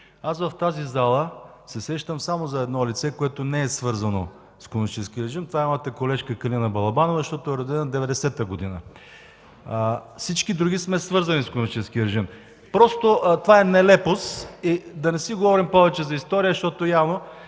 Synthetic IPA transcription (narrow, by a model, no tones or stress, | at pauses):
asvɐft̪azizalˠə | sɛsɛʃt̪əmsamozɐɛd̪nɔlit̪sɛkoɛt̪onɛɛsvɤɾzɐno̰ | skonnit͡ʃɛskiəɾɛʒimt̪ovaɛmamət̪əkolɛʃkəkɐlinɐbɐlˠɐbanovzəʃt̪ɔt̪ʊɛɾɐd̪ɛnɐd̪ɛvɛd̪ɛsɛt̪əɡod̪inə | fsit͡ʃkid̪ɾuɡ̟ismɛsvɤɾzɐniskonmit͡ʃɛskiəɾɛʒim | pɾɔst̪oʔt̪vaɛnɛlɛposid̪ɐnɛsiɡovɔɾimpɔvɛt͡ʃɛzɐist̪ɔɾijəʃt̪ɔt̪ojavno